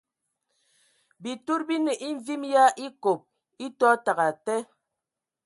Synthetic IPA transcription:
bi˨tu˦ɾbi˦nə˨ʔi˦ɱ˦vi˦mja˦ʔi˦ko˨p̚ | i˦tɔ˦ta˨ɣa˨tɛ˦

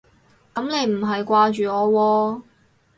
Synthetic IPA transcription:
kɐ˨˥mne˨˧jm̩˨˩ɦɐ˨jkʷaː˧t͡ʃyː˨ɔː˨˧wɔː˧

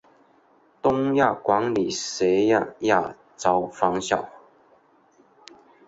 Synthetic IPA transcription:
t̪ʊ˦˥ŋja˥˨˩kwa˨˦˥ŋli˨˩se˨˥ja˥˧ja˥˨ | t͡sɑ˥˦ʊfɑ˦ŋɕjɑ˥˨˩ʊ

